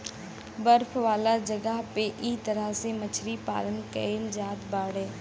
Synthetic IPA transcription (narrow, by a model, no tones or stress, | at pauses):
bəɾpʰʋaːlad͡ʒəɡəɦpeʔit̪əɾəɦsemət͡ʃʰɾipa̰ːlənkəeld͡ʒaːd̪baːɽẽː